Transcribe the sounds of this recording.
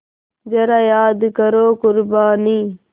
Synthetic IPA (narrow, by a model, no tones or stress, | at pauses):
d͡ʒɐɾaːjaːd̪kəɾoːkʊɾbaːniː